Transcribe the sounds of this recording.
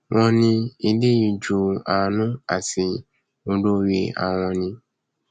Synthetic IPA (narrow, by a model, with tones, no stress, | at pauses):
w̃ɔ̃˧nĩ˧i˧le˦i˧d͡ʒu˨a˨nũ˦a̰˨si˧ | o˧do˦je˧a̰˨w̃ɔ̃˧nĩ˧